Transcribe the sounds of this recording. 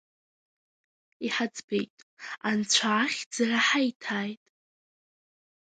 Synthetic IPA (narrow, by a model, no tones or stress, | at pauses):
iħad͡zbḛjtʼant͡ɕʷʰaːχʲd͡zaraħajtʰaːjtʼ